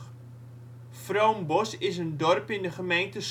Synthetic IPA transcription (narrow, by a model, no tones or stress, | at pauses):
frowmbɔsɪs̬əndɔrpɪndəχəmejntəs